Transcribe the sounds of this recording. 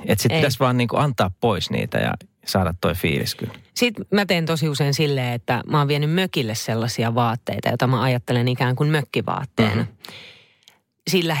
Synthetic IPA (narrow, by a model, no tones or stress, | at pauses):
et̪sit̪pt̪æsʋɑːnniːŋkuɑnt̪ˑɑːppoisnḭːt̪æ̰jɑ̰ | sɑːdɑt̪toifḭːlḭskylsit̪mæt̪eint̪osiuseinsilːeːet̪ːæ̰mɑːʋʋienymmøkilːesselːɑsiɑʋɑːt̪ːḛit̪ɑ̰jot̪ɑmæɑjɑt̪ːelenikæːŋkunmøkːiʋɑ̰ːt̪ːḛːnɑ | silːæ